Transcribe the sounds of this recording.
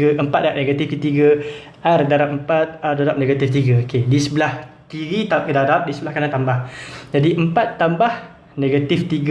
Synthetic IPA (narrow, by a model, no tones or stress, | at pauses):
əʔəmpat̪̚daʔ̚neɡat̪ifkət̪iɡə | ʔardaɾap̚əmpat̪̚ardaɾap̚neɡat̪ift̪iɡaokedisəbəlahk̪iɾit̪akədaɾap̚disəbəlahkanãt̪ambahd͡ʒadiʔəmpat̪ːambah | neɡat̪ɪft̪iɡ